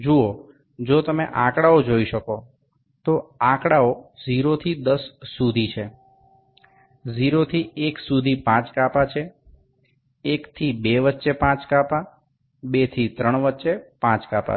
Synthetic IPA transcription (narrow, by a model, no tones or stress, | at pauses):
d͡ʒuo | d͡ʒot̪əmḛʔãkɽaod͡ʒoiʃəko | t̪oãkɽaod͡ʒiɾot̪ʰid̪əsːud̪ʱit͡ʃʰe | d͡ʒiɾot̪ʰieksud̪ʱipãt͡ʃkapat͡ʃʰe | ekt̪ʰibeʋətːʃepãt͡ʃkapa | bet̪ʰit̪ɾəɳʋətːʃepãt͡ʃkapa̰